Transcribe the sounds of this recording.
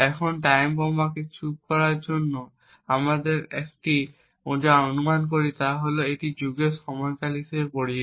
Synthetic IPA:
ɛkʰɔntajmbɔmakisʰukɔɹaɹzɔnːɔ | amadɛɹɛk̚ti | odaonumank̬oɹitaɦɔlɔetizuɡesɔmɔjkalisɛpoɹi

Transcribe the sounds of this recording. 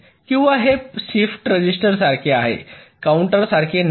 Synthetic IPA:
kĩw̃ʋaɦepsifʈɾəd͡ʑisʈəɾsaɾkʰeaɦḛkauɳʈəɾsaɾkʰen

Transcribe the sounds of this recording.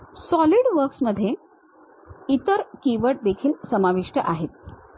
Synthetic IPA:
sɔliɽʋəɾksməd̪ʱːje | it̪əɾkiʋəʈ̚d̪ekʰiːlsəmaʋiʂʈəʔaɦet̪̚

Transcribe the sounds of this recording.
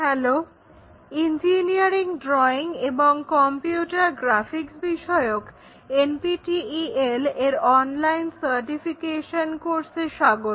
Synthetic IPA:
ɦɛlo | ind͡ʑiniaɾiŋɖɾɔiŋeboŋkɔmpiuʈaɾɡɾafʰiksbiʃɔeok | enpiʈiieleɾɔnlajnsəɾʈifikeʃonkoɾseɾʃaɡot̪

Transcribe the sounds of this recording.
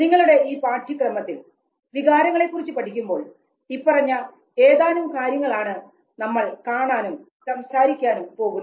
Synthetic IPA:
niŋːɐɭuɽe̞iːpaːʈʰikrɐmɐt̪ːil | ʋiɣaːɾɐŋːɐɭe̞kːurit͡ɕːupɐʈʰikʲːumbo̞ːɭ | ipːɐrɐɲːɐ | e̞ːðaːnumkaːɾjɐŋːɐɭaːɳɨ | nɐmːɐɭkaːɳaːnum | sɐmsaːɾikʲːaːnumpo̞ːɣun

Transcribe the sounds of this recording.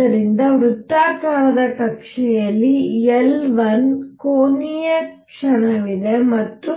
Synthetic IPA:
ɐɾind̪ɐʋɾut̪ːaːkaːɾɐd̪ɐkɐkʂɛjɐlːielʋɐnkoːnijɐk | ʂɐɳɐʋid̪emɐt̪ːu

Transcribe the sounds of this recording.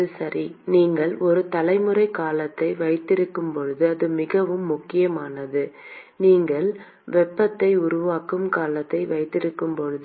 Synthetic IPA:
ɐɯsɐɾiniːŋɡɐɭɔɾɯt̪ɐlɐɪmɯrɐɪkaːlɐt̪ːɐɪʋɐɪt̪ːɪɾɯkːɯmpɔɻɯðɯɐðɯmɪɣɐʋɯmːʊkːɪjɐmaːnɐðɯniːŋɡɐɭ | ʋɛpːɐt̪ːɐɪʊɾʊʋaːkɯmkaːlɐt̪ːɐɪʋɐɪt̪ːɪɾɯkːɯmpɔɻɯðɯ

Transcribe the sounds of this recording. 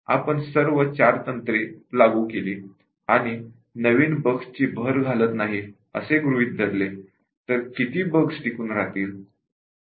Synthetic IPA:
a̰pəɳsəɾʋət͡ɕaɾt̪ənt̪ɾelaɡuːkeliː | aɽ̃i | nəʋiːnbəkst͡ɕiːbʱəɾɡʱalət̪naɦi | ə̰seɡɾuiːt̪̚d̪ʱəɾle | t̪əɾkit̪iːbəksʈikuːnɾat̪iːɾ

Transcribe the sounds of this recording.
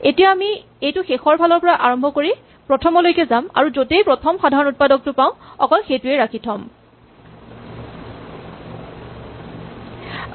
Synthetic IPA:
etijaami | ejtʊxexɔɹbʱalɔɹpɔɹaʔaɹɔmbʱɔkoɹi | pɹɔtʰɔmɔlojkɛzama̰ɹuzotejpɹɔtʰɔmxadʱaɹɔnut̚padɔk̚tʊpaʊ̃ɔkɔlxejtʊeɹakʰitʰɔm

